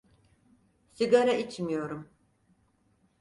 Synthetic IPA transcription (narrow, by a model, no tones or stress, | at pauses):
siɡaɾait͡ʃmijo̞ɾum